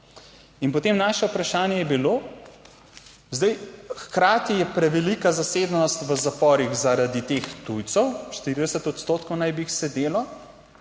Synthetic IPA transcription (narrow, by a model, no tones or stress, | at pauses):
inpɔt̪eːmnaːʃɛupɾaʃaːnjɛjɛbiloː | zd̪ajxkɾaːt̪ijɛpɾɛʋɛlikazaseːd̪nɔst̪ʋəzapɔːɾiɣzaɾad̪it̪eːxt̪ujt̪sɔwʃt̪iɾid̪ɛsət̪ɔt̪st̪oːt̪kownajbiixsɛd̪eːlɔ